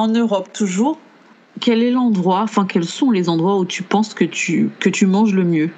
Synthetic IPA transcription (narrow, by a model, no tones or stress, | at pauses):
ɑ̃nøʁɔpt̪uʒuːʁ | kʲɛlɛlɑ̃d̪ʁwãfɛ̃kɛlsɔ̃lezɑ̃d̪ʁwaut̪ʰypɑ̃skət̪ykət̪ymɑ̃ʒləmjø